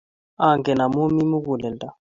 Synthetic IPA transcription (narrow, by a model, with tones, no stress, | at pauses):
a˨ŋɡɛ˨na˨mu˦mi˦mu˦k̬u˨lɛ˨ntʼa˦˨